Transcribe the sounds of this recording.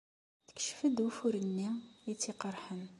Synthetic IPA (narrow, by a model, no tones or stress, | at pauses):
θə̥kʃfəd̪wufuɾənːijit͡sːiqɑɾˤħən